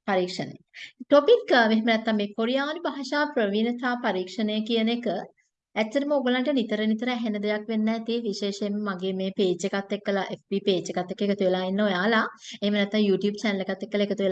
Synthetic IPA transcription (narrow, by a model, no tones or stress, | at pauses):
paɾiːkʂənə̰jʈopikmeɦemənɛt̪ːamːeːkoɾijaːnibaɦɐʃaːpɾəʋiːnət̪aːpaɾiːkʂənəjəkijənekə | æt͡ʃːɐɾəməoɡəlaɳʈənit̪əɾənit̪əɾəɛɦenəd̪ejakʋenːɛt̪iʋiʃeːʃemːəmaɡeːmeːpeːd͡ʒekat̪ːekːəlaʔefbipeːd͡ʒekat̪ːekːekət̪uʋelaːinːəojaːlaehemənɛt̪ːãŋjuːʈjuːb̚t͡ʃɛnəlekat̪ːekːəlaekət̪uʋel